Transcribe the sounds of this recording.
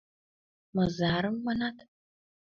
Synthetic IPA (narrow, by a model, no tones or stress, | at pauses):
mɐzaːɾɨmːɐnat̪ʰ